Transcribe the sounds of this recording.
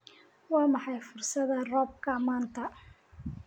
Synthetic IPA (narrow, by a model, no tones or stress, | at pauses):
wɑːmɑħɑjfʊrsɐðɐrɔːb̚kʰɐmaːnt̪ʰɐ